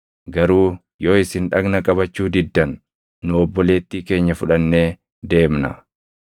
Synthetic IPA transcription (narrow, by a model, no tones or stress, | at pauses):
ɡɐɾuː | jo̞ːɪsɪnᶑɐɡnɐkʼɐbɐt͡ʃːuːd̪ɪd̪ːɐnː | ʊɔbːɔleːt̪ːiːke̞ːɲːɐfʊᶑɐnːe̞ː | d̪e̞ːmnɐ̰